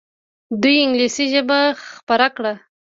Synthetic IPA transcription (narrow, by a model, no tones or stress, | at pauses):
d̪ujɪŋɡlisiʒəbaxpaɾakɽa